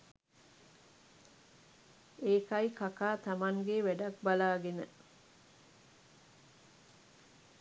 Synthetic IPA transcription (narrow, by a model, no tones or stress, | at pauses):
eːkajkakaːt̪amaŋɡeʋæɖɐk̚balaːɡenə